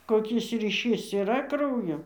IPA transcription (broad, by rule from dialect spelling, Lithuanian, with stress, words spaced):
koːˈkʲɪs rʲiːˈʃʲiːs iːˈrɐ ˈkrɐʊjoː